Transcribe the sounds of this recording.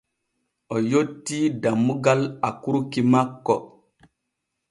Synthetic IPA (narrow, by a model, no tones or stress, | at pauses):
ɔjotːidamːuɡalakuɾukimakːɔ